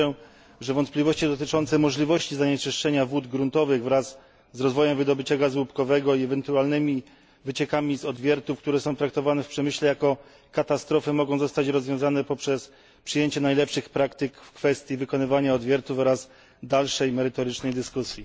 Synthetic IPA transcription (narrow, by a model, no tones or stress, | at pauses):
ɛ | ʐɛvɔnt̪plʲivɔɕt͡ɕid̪ɔt̪ɘt͡ʂɔnt̪sɛmɔʐlʲivɔɕt͡ɕizaɲɛt͡ʂɘʂt͡ʂɛɲavwud̪ɡɾunt̪ɔvɘɣvɾazː | ɾɔzvɔjɛmvɘd̪ɔbɘt͡ɕaɡazwupkɔvɛɡɔiɛvɛnt̪ualnɘmʲi | vɘt͡ɕɛkamʲizɔd̪vʲjɛɾt̪ufkt̪uɾɛsɔ̃w̃t̪ɾak̚t̪ɔvanɛfpʂɛmɘɕlɛjakɔ | kat̪ast̪ɾɔfɘmɔɡɔ̃w̃zɔst̪at͡ɕɾɔzvʲjɔ̃w̃zanɛpɔpʂɛs | pʂɘjeɲt͡ɕɛnajlɛpʂɘxpɾakt̪ɘkfkfɛst̪ʲjivɘkɔnɘvaɲaɔd̪vʲjɛɾt̪ufɔɾaz | d̪alʂɛjmɛɾɘt̪ɔɾɘt͡ʂnɛjd̪ɘskusʲji